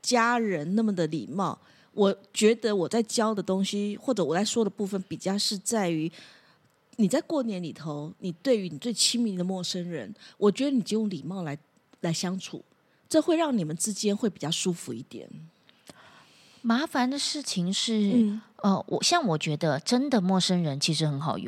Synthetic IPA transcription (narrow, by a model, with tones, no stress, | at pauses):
t͡ɕja˥ɻə˧˥nna˥˩mə˩d̪ə˩lḭ˨˩mɑ˥˩ʊ | wʔɔ˨˩t͡ɕɥɛ˧˥d̪ə˧˦wɔ˨˩t͡sa˥˩ɪt͡ɕjɑ˥ʊd̪ə˨t̪ʊ˥ŋɕi˧˥xwɔ˥˩ʈ͡ʂɤ˧˥wɔ˨˩t͡sa˥˩ɪʂwɔ˥d̪ə˨pu˥˩fə˨˩npi˨˩t͡ɕjɑ˥˧ʊʂɻ̩˥˧t͡sa˥˩ɪy˧˥ | ni˨˩t͡sa˥˧ɪkwɔ˥˩njɛ˧˥nli˨˩t̪ʰo˧˦ʊni˨˩t̪we˥˩ɪy˧˥ni˨˩t͡swe˥˩ɪt͡ɕʰi˥ŋmi˧˥d̪ə˨mwɔ˥˩ʂə˥nɻə̰˧˥nwʔɔ˨˩t͡ɕɥɛ˧˥d̪ə˧˦ni˨˩jo˥˧jʊ˥˩ŋli˨˩mɑ˥˩ʊla˧˥ɪ | la˧˥ɪɕjɑ˥ŋʈ͡ʂʰṵ˨˩˦ | ʈ͡ʂɤ˥˧xwe˥˧ɪɻɑ˥˩ŋni˨˩mə˦nt͡sɻ̩˥t͡ɕjɛ˥nxwe˥˩ɪpi˨˩t͡ɕjɑ˥˩ʊʂu˥fu˧˥i˥˩t̪jɛ̰˨˩˦n | ma˧˥fa˧˦nd̪ə˨ʂɻ̩˥˩t͡ɕʰi˨ŋʂɻ̩˥˩˥ə˧wʔɔ̰˨˩ɕjɑ˥˩ŋwɔ˨˩t͡ɕɥɛ˧˥d̪ə˧ʈ͡ʂə˥nd̪ə˨mwɔ˥˩ʂə˥nɻə˧˦˥nt͡ɕʰi˧˥ʂɻ̩˧˥xə˧˥nxɑ˨˩ʊjo̰˧˦